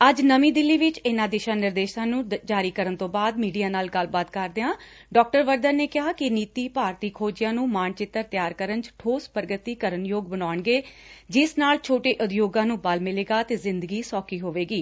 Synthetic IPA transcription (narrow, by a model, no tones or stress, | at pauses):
əd͡ʒnəmiːd̪ɪlːiːʋɪt͡ʃɪnãːd̪ɪʃãːnɪɾd̪eːʃãːnũːd͡ʒaːɾiːkəɾənt̪õːbaːd̪miːɖijaːnaːlɡəlbaːt̪kəɾd̪eãː | ɖɔːk̚ʈəɾʋəɾd̪ənneːkɪɦaːkɪniːt̪iːpaːɾt̪iːkʰoːd͡ʒɪjãːnũːmaːɳt͡ʃɪt̪ːəɾt̪jaːɾkəɾənt͡ʃʈʰoːspɾəɡət̪iːkəɾənjoːɡ̚bənaːəɳɡeː | d͡ʒɪsnaːlt͡ʃʰoːʈeːʔʊd̪joːɡãːnũːbəlmɪleːɡaːt̪eːzɪ̃nd̪əɡiːsɔːkiːɦoːʋeːɡiː